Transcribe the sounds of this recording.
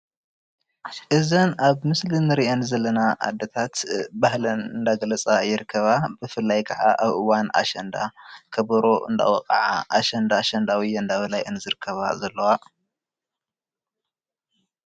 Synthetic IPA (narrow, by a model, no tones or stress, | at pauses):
ʔɨzɐnaβmɨslinɨɾiʔenzɐlːɐnaʔa̰d̪ɐt̪ʰat̪bahlɐnɨnd̪aɡɐlɐt͡sʼajɪɾɨkʰːɐβabɨfɨlːajkʰɐʕa̰ʔaβʔɨwana̰ʃɐnd̪akʰɐβɐɾo̞ʔɨ̰nd̪a̰wɐqʼɐ̰ʕa̰ʔaʃɐnd̪aʃɐnd̪awiɨnd̪aβɐlajʔɨnzɨɾɨkʰːɐβa̰zɐlːɐwa